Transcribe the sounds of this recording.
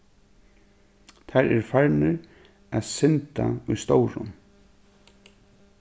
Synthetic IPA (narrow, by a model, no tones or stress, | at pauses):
t̪ʰaɾɛɾfaɹnɪɾ | aðsɪnt̪aʊjst̪owɾʊ̰n